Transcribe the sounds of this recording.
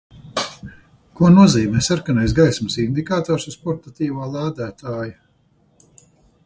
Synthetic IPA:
kuɔnuɔziːmʲɛːsaɾkanajsɡajsmɨsind̪ikaːt̪ɔːɾsuspɔɾt̪at̪iːʋaːlˠaːd̪æːt̪aːja

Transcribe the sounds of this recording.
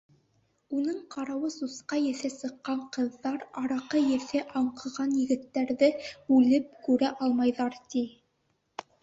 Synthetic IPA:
unɤɴqɑɾɑwɤsusqɑjɘ̆θæsɤ̆qːɑɴqɤ̆ðːɑɾɑɾɑqɤjɘ̆θɘʔɑɴqɤ̆ʁɑnjɘ̆ɡɘ̆t̪ːæɾðɘʉlɘp̚kʉɾæʔɑlˠmɑjðɑɾt̪i

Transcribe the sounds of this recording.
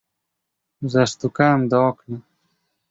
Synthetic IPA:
zast̪ukaːmd̪ɔːkna

